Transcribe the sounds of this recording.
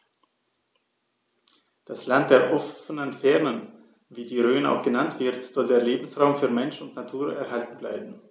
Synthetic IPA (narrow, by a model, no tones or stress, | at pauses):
d̥aslant̚d̥eːɐʔɔfənənfɛɐnən | viːdiːʁøːna̰ʊxɡ̥ənantv̥ɪɐtz̥ɔldeːɐleːbm̩sʁaʊmfyːɐmɛnʃʊntnatʰuːɐɛɐhaltn̩bla̰ɪbm̩